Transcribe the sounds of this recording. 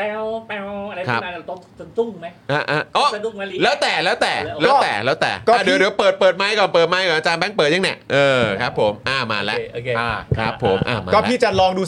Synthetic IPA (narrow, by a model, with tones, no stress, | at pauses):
pɛ˧wpɛ˧wa˧kʰa˦˥pːt̪ɔ˥˩ŋ˩o˧˩ŋu˥˩ŋma˦˥ʔa˧˩ʔa˧˩ʔɔː˧˥˩du˧˩˧lɛː˦˥wt̪ɛː˨˩lɛː˦˥wt̪ɛː˨˩lɛː˧˦˥wt̪ɛː˨˩lɛː˦˥wt̪ɛ̰ː˨˩ʔkɔːaː˨˧˩dɯ˨˦ɾɯː˨˦pɤː˨˩t̪̚pɤː˨˩t̪̚maː˦˥˩jkɔː˨˩npɤː˨˩t̪̚maː˦˥jkɔː˨˩˦ʔa˧t͡ɕaː˧nbɛ˦˥˩ŋpəɤː˨˩t̪̚a˧˥ŋnɛ̰˧˩ʔɤː˧kʰɾa˦˥pʰːo˩˦mʔaː˧˩maː˧˩lɛ˦˥ʔo˧ʔaː˧˩kʰɾa˦˥pʰːo˨˩˦mʔa̰ː˧˩ma̰ː˧ɔː˥˩˦pʰiː˥˩t͡ɕa˨˩lɔː˧ŋduː˧